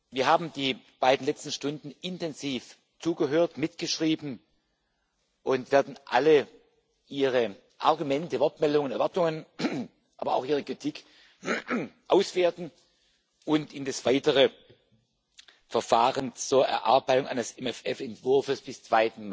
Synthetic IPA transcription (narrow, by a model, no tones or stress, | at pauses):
viːɐɦaːbm̩diː | b̥aɪdn̩lɛt͡stn̩ʃtʊndn̩ɪntɛnziːf | t͡suːɡəɦøːɐtmɪtɡ̥əʃʁ̥iːbn̩ | ʔʊntv̥eːɐdn̩ʔa̰lə | ʔiːʁə | ʔa̰ɐɡumɛntəvɔɐtmɛldʊŋənɛɐvaɐtʊŋən | ʔa̰ːbɐa̰ʊxiːʁəkʁ̥itʰɪk | ʔaʊsv̥eːɐtn̩ | ʔʊntɪndasv̥aɪtəʁə | fɛɐfaːʁənt͡suːɐʔɛ̰ɐʔa̰ɐbaɪtʊŋʔa̰ɪnəsɛmɛfɛfɛntv̥ʊɐfəsb̥ɪst͡sv̥aɪtn̩m